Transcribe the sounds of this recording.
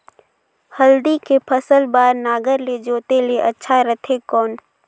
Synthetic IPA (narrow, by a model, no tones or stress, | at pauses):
həld̪ikepʰəsəlbaːɾnaːɡəɾled͡ʒoːt̪eleʔɐtːʃʰaɾɐt̪ʰekɔːn